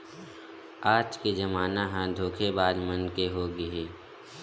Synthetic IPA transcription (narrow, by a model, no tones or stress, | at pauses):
aːd͡ʒked͡ʒəmaːnaɦãd̪ʱoːkʰebaːd͡ʒmənkeɦoːɡəeː